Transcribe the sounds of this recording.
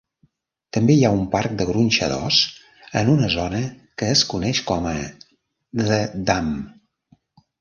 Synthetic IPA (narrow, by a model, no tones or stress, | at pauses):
t̪əmbeiaumpark̚d̪əɣɾunʲʃə̰ðɔ̰s | ənunəzɔnə | kəːskunɛʃkɔmə | ðəd̪am